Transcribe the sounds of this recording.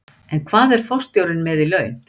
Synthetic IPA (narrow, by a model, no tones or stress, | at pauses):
ɛnkʰvaːðɛɾ̥fɔwst̪jowɾɪnmɛðilœːɥn